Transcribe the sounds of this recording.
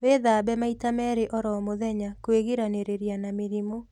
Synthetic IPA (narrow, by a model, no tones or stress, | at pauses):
weðaːbɛmaitamɛɾeʔɔɾɔmoðɛɲakweɣiɾaneɾeɾjanameɾimo